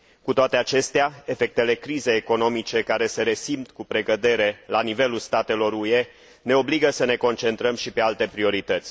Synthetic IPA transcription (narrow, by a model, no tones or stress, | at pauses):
kut̪oat̪e̞at͡ʃe̞st̪eae̞fe̞k̚t̪e̞le̞kɾizejeko̞no̞mit͡ʃe̞kaɾe̞se̞ɾe̞simt̪kupɾe̞ɡəd̪e̞ɾe̞lanive̞lulst̪at̪e̞lo̞ɾue̞ | ne̞o̞bliɡəsəne̞ko̞nt͡ʃe̞nt̪ɾəmʃipe̞alt̪e̞pɾio̞ɾit̪ət̪sʲ